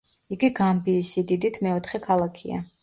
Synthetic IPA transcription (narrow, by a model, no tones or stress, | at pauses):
iɡiɡambiːsid̪id̪it̪ʰmɛɔt̪ʰχɛkʰalˠakʰḭa̰